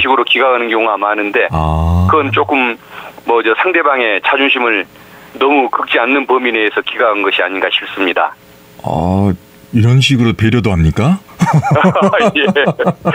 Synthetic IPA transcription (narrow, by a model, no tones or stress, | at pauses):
ɕʰiɡɯɾokiɡaɡanɯnɡjoŋoamanɯnde̞akɯʌnt͡ɕ͈ok͈ɯmːʌd͡ʑʌsʰaŋde̞baŋe̞t͡ɕʰad͡ʑuŋɕʰimɯɭ | nʌmukɯk̚t͡ɕ͈ianːɯnpʌmine̞ːsʰʌkiɡaɡanɡʌɕʰiaɲinɡaɕʰi̥p̚s͈ɯmɲida̰ | a̰ | iɾʌnɕ̬ʰiɡɯɾope̞ɾjʌdoɦamɲik͈a | je